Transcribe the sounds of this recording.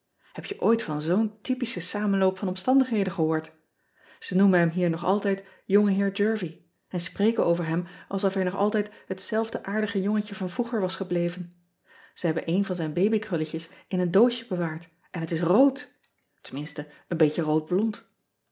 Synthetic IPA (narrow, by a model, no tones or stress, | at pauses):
hɛpjəʔojtfɑnzowntipisəsaːmənlowpfɑnɔmstɑndəχɦejdənχəɦʊːɹt | z̥ənumənɦɛmɦiːɹnɔχɑ̰lˠtɛjt | jɔŋəɦɪːɹdøːɹvi | ɛnsprejkəowvəɹɦɛmʔɑlˠsɔfɛɹnɔχɑ̰lˠtɛjtɦətsɛlˠvdəʔaːɹdəχəjɔŋəcəvɑnvruχəɹʋɑsχəblejvən | z̥əɦɛbənʔejnvɑnzɛjnbejbikrɵləcəsɪnəndowʃəbəʋaːɹt | ʔɛnɦətɪsrowt | təmɪnstə | ənbejcərowd̚blɔnt